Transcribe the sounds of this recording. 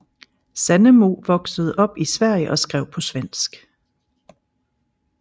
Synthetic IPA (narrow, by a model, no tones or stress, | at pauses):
sænəmo̝ʋɒ̽ɡ̥səð̞̩ˠʔɒ̽b̥isʋæɐ̰jəʔɒ̽sɡ̥ʁɛʊ̰pʰɒ̽sʋen̰sɡ̥